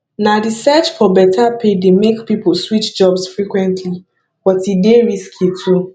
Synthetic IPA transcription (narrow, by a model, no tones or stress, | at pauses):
nadisɛt͡ʃfɔbɛtʰapʰedemekpiposwit͡ʃd͡ʒɔbsfɹikwɛ̃ntʰli | b̥ɔtideɹiskʰitʰu